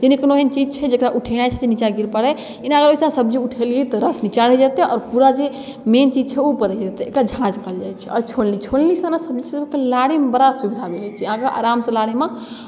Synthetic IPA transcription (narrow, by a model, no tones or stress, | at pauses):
d͡ʒenikənoɦent͡ʃid͡ʒt͡ʃʰɛd͡ʒekɾaʔuʈʰɛnat͡ʃʰɛd͡ʒenit͡ʃaɡiɾpəɽɛ | inaəɡəɾojsaasəbd͡ʒeuʈʰeliɛt̪ɔɾəsnit͡ʃaɽɛd͡ʒat̪ɛɔ̰ːɾpuɾad͡ʒe | ment͡ʃid͡ʒt͡ʃʰɛopəɾɛd͡ʒat̪ɛekad͡ʒʱãd͡ʒkəld͡ʒajt͡ʃʰɛɔːɾt͡ʃʰolnit͡ʃʰolnisanasəb̚d͡ʒesəbkelaɽimbəɾasubid̪ʱabelɛt͡ʃʰɛəɦãkeʔa̰ɾamsəlaɽima